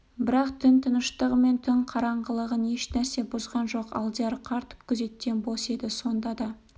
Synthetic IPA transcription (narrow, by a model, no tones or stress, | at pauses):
bɪɾɑqt̪ʰɪnt̪ʰənəʃt̪əʁəme̞nt̪ʰɪɴqʰɑɾɑɴʁəlˠəʁəne̞ʃnæɾse̞bʊzʁɑnʒo̞qɑ̰lˠd̪ijɑɾqʰɑɾt̪ə̥p̚kʲʰʏze̞t̪̚kʲːe̞nbose̞d̪ɪso̞nd̪ɑd̪ɑ